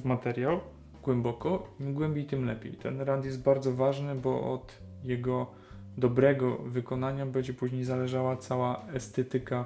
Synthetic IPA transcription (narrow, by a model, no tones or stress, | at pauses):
mat̪ɛɾʲjaw | ɡwɛmbɔkɔimɡwɛmbʲejt̪ɘmlɛpʲjḛjt̪ɛ̰nɾant̪jɛst̪̚baɾd̪zɔvaʐnɘbɔʔɔ̰d̪ | jɛɡɔ | d̪ɔbɾɛɡɔvɘkɔnaɲabɛɲd͡ʑɛpuʑɲejzalɛʐawat̪sawaɛst̪ɛt̪ɘka